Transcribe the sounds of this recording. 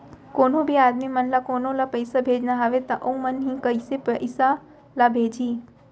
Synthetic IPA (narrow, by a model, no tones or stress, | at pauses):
koːnõbʱiaːd̪mimɐnlakoːnõlapəjsabʱeːd͡ʒnaɦaʋet̪ɐʔoũmɐnɦĩːkəjsepəsa | labʱeːd͡ʒʱiː